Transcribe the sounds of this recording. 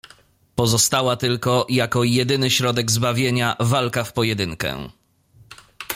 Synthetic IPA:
pɔzɔst̪awat̪ɘlkɔjakɔjɛd̪ɘnɘɕɾɔd̪ɛɡzbavʲjeɲavalkafpɔjɛd̪ɘŋkɛ̰

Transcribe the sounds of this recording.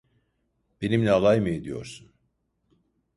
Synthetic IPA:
b̥e̞nimlʲɛalˠajmɯed̪ijo̞̰ɾsun

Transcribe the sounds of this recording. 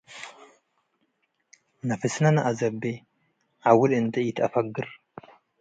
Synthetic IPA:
nɐfɨsnɐnɐʔazɐbe | ʕawʊlɨnt̪ʰɐjɪt̪ʰɐfɐɡːɨɾ

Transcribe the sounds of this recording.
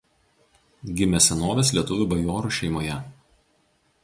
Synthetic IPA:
ɡʲɪmʲɛsʲɛnoːʋʲes̬lʲiɛt̪ʊʋʲuˑbɐjoːɾuːˑʃʲɛɪmoːjɛ

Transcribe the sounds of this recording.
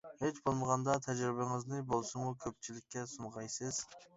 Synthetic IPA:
het͡ʃbolˠməʁɑnd̪ɑt̪ʰɛd͡ʒɾɪbɪŋɨznɨbolˠsumukʲʰøp̚t͡ʃʰilɪkʲːɛsunʁɑjsɨz̥

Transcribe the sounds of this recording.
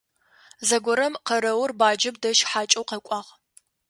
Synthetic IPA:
zɐɡʷɔɾɐmqɐɾɐwʊrbaːd͡ʒɪbdɐʃħaːt͡ʃʼɐwqɐkʷʼɑːʁ

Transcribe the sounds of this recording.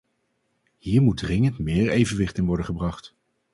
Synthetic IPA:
hiːɹmudrɪŋəntmɪːɹejvənʋɪχtɪnʋɔɹdənχəbrɑχt

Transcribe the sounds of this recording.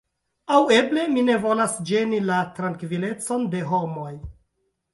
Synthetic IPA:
awe̞ble̞mine̞vo̞lasd͡ʒe̞nilatɾaŋkvile̞t͡so̞nde̞ɦo̞mo̞j

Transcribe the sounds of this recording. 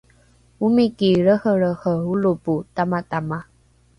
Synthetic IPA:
umikiɾəhəɭəhəuluputamatama

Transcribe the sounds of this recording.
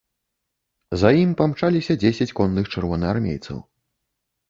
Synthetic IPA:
zajimpamt͡ʂalʲisʲɐd͡zʲesʲɐt͡sʲkɔnːɨxt͡ʂɨrvɔnɨarmʲḛjt̪sɐ̰w

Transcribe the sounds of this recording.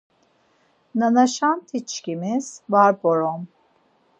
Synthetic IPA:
nanaʃant̪ʰit͡ʃcimiz̥vaɾboɾom

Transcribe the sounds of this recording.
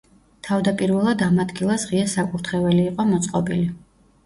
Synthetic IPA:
t̪ʰavd̪apʼiɾvɛlˠad̪amad̪ɡilˠasʁiasakʼuɾt̪ʰχɛvɛliːqʼɔmɔt̪sʼqʼɔbili

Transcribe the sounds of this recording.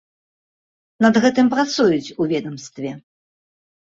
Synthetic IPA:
nɐd̪ɣɛt̪ɨmpɾat̪sujut͡sʲuvʲɛd̪ɐmst̪vʲɛ

